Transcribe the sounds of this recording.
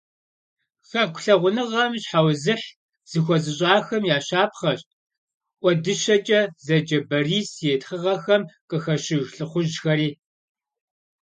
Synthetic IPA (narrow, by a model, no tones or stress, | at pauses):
xɐkʷʊ̥ɬɐʁʷʊnɨʁɐmɕħawzɨħ | z̥ɨxʷɔzɨɕʼaːxɐmjaːɕaːpʰχɐɕt̚ʼ | ʔʷɔdɨɕɐt͡ʃʼɐzɐd͡ʒɐbɐriːsjetχəʁɐxɐmqʼəxɐʃɪɣɬʼɨχʷʊʒxɐɾiː